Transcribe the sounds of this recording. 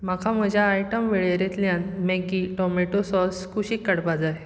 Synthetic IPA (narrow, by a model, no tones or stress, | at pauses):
makʰam̤əd͡ʑʱjaːjʈəmʋeɭeɾet̪ljãnmeɡiʈɔmeʈosɔlskʰuɕikːəɽpad͡zae